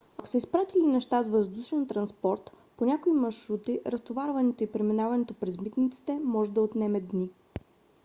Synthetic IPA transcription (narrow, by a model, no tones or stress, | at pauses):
ɐko̥sɛispɾat̪ilinɛʃt̪azvəzd̪uʃɛnt̪ɾɐnspɔɾt̪ | ponʲakoimɐʃɾut̪iʔɾəst̪ovaɾvɐnɛt̪oipɾɛminavɐnɛt̪opɾɛzmit̪nit̪si̥t̪ɛmɔʒɛd̪ɐot̪nɛmɛd̪ni